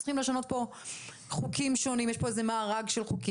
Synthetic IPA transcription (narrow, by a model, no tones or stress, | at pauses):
sliχimleʃano̞t̪̚po̞ | χukimʃo̞nimjeʃpo̞ezemaːʁaɡʃelχuki